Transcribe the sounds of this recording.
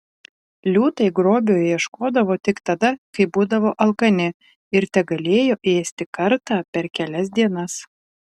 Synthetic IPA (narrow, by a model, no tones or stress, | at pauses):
lʲuːt̪ɐɪɡɾoːbʲoːjjiɛʃkoːd̪ɐʋoːt̪ʲɪkt̪ɐd̪ɐkɐɪbuːd̪ɐʋoːʔɐlˠkɐnʲɪ | ɪɾt̪ʲɛɡɐlʲeːjoːʔeːsʲt̪ʲɪkɐɾt̪ɑːpʲɛɾkʲɛlʲɛs̬ʲd̪ʲiɛnɐs